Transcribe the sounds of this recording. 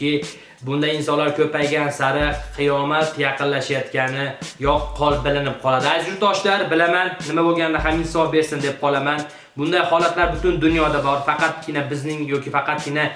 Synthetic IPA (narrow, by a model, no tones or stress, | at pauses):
ɪ | bʊnd̪ajɪnsɒnlaɾkʲʰɵpajɡʲansaɾɪqʰɨjɒmat̪jɑqɨnlaʃajat̪kʲanɪjɒqqʰːɒlˠbɪlɪnɪp̚qʰɒlˠad̪ɪad͡ʒʊɾt̪ʰɒʃlaɾbɪlamanːɪmabolˠɡʲanɪd̪aɦamɪnhsɒfbe̞ɾsɪnd̪e̞p̚qʰɒlˠaman | bʊnd̪ajhɒlat̪laɾbʊt̪ʊnd̪ʊnjɒd̪abɒɾfɑqɑt̪̚kʲʰɪnabɪznɪŋjɒkʲɪfɑqɑt̪̚kʲɪna